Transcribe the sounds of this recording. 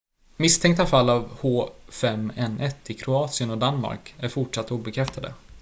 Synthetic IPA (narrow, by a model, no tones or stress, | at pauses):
mɪst̪ʰɛŋkt̪afalːavhoːfɛmɛnʔɛt̪ːɪkʰɾʊɑːt̪sɪənɔd̪anma̰ɾkæɾfʊʈʂat̪ːuːbɛkʰɾɛft̪ʰad̪ə̰